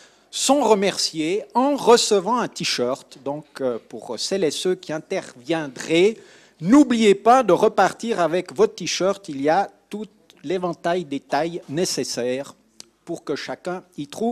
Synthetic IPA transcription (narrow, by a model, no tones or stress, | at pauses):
sɔ̃ʁəmɛʁsjeɑ̃ʁəsəvɑ̃ɛ̃t̪iʃœʁt̪d̪ɔ̃kpuʁsɛlɛsøkʲiɛ̃t̪ɛʁvjɛ̃d̪ʁɛ | nublijepad̪əʁəpaʁt̪iʁavɛkvɔt̪iʃœʁt̪iliat̪ut̪ | levɑ̃t̪ajd̪et̪ajnesesɛːʁ | puʁkəʃakɛ̃it̪χu